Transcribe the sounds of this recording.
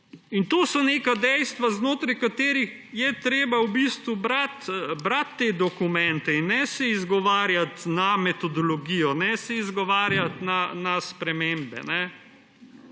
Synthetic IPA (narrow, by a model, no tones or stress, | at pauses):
int̪oːsɔneːkad̪ɛjst̪ʋaznoːt̪ɾajkat̪eːɾix | jɛt̪ɾeːbawbist̪ʋubɾat̪bɾat̪ːed̪ɔkumɛnt̪ɛinːɛsɛizɡɔʋaːɾjat̪namɛt̪ɔd̪ɔlɔɡiːjɔnɛsɛizɡɔʋaːɾjat̪nanaspɾɛmembɛ̰nɛ